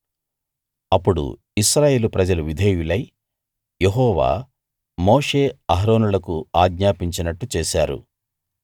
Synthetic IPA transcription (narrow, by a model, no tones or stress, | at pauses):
ɐpːuɽṵ | iʃɾaːje̞ːlupɾɐd͡ʒɐluʋid̪ʱeːjulɐj | jeɦɔːʋa̰ː | moːʂe̞ːɐɦɾoːnulɐkuaːɡɲaːpiɲt͡ʃinɐʈːut͡ʃeːʃaːɾṵ